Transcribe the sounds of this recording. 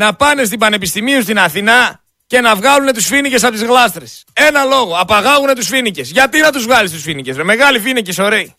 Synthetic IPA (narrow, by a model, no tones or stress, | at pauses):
nɐpɐne̞st̪ibɐne̞pist̪imiust̪inɐθinɐ | ce̞nɐvɣɐlune̞t̪usfinice̞s̬ɐpot̪zɣlɐst̪ɾese̞nɐlo̞ɣo̞ɐpɐɣɐɣune̞t̪usfinice̞sʝɐt̪inɐt̪uzvɣɐlist̪usfinicesmeme̞ɣɐlifiniceso̞ɾei